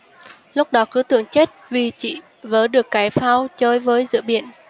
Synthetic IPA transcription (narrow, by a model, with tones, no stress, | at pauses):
lʊ˦˥k͡p̚ɗɔ˨˦kɨ˨˦t̪ɨ̰˧˨əŋt͡ɕe˦˥t̚vi˨˩t͡ɕḭ˧˨ | vəː˨˦ɗɨ˨˩əkːaː˨˦jfaː˧wt͡ɕo˧jvəː˨˦jzɨ̰˧˨ɓḭ˧˨ən